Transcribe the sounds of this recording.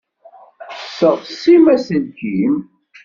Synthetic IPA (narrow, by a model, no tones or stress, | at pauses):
səʁsimæsənkim